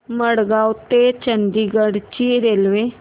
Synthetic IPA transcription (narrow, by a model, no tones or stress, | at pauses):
məɽɡaːut̪et͡ʃənd̪iːɡəɽt͡ʃiɾeːlʋeː